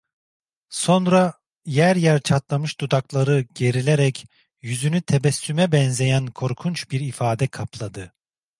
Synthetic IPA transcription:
so̞nɾa | jæɾjæɾt͡ʃʰat̪lˠamɯʃt̪ʰud̪aklˠaɾɯɟe̞ɾilʲeɾɛc | jyzynyt̪ʰebɛsːymɛbɛnze̞jænkʰo̞ɾkʰunt͡ʃbiɾifaːd̪ɛkʰaplˠad̪ɯ

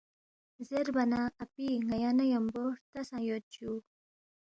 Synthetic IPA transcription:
zeɾbanaːpiŋajanajamboɾt̪asãjot̪t͡ɕu

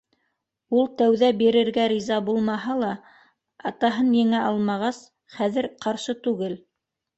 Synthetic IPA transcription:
ulˠt̪æwðæbiɾɘ̆ɾɡæɾizɑbulˠmɑɦɑlˠɑ | ɑt̪ɑɦɤnjɘ̆ŋæʔɑlˠmɑʁɑs | χæðɘ̆ɾqɑɾʃɤt̪ʉɡɘl

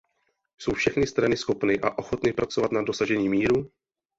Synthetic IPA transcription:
so̞wfʃɛxnɪst̪ɾanɪsxo̞pnɪʔaʔo̞xo̞t̪nɪpɾat͡so̞vat̪nado̞saʒɛɲiːmiːɾu

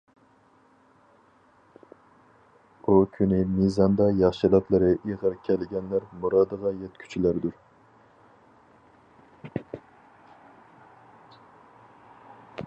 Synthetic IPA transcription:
ukʲʰynɪmizɑnd̪ɑjɑχʃɨlˠɑt̪lˠɨɾɨʔeʁəɾkʲʰɛlɪɡʲɛnlæɾmuɾɑːd̪əʁɑjɛt̪kʲʰy̥t͡ʃʰilæɾd̪uɾ

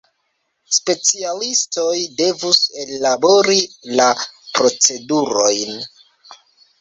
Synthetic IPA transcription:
spe̞t͡sialisto̞jde̞vuse̞labo̞ɾilapɾo̞t͡se̞duɾo̞jn

